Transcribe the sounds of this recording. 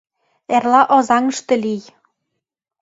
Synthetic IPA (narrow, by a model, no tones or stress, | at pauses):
ærlɑʔɒzɑŋɤ̆ʃt̪ɤ̆lʲij